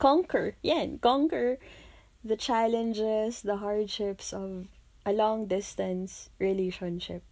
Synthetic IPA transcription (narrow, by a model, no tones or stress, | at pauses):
kɔ̃ŋkəɹjɛ̃nkɔ̃ŋkəɹ | ðət͡ʃalɛ̃nd͡ʒɛsðəɦaɹdʃɪpsɔv | ʔəlɔ̃ŋd̪ɪst̪ə̃nsɹɪleʃɔ̃nʃɪ̰p̚